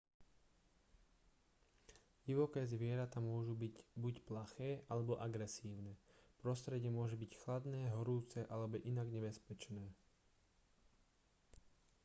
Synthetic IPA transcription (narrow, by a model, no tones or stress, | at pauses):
ɟiʋɔkɛːzʋɪɛɾat̪amʊɔʒubibucplaxɛːʔalɛbɔʔaɡɾɛsiːʊnɛpɾɔst̪ɾɛɟɪɛmʊɔʒɛbicxlad̪nɛːɦɔɾuːt͡sɛʔalɛbɔʔinaɡɲɛbɛspɛt͡ʃnɛː